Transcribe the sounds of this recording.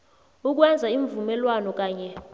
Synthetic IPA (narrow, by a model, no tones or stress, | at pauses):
uk̬wɛnd͡zʱaiɱvumɛlwanɔk̬ʼaːɲɛ